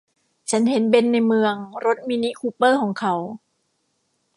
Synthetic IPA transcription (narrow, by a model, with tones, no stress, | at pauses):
t͡ɕʰa˦˥nhe˩˦nbe˧nːa˧jmɯ˧əŋɾo˦˥t̪̚miː˧ni˦˥kʰuː˧pːɤː˥˩kʰɔː˩˦ŋkʰa˩˦w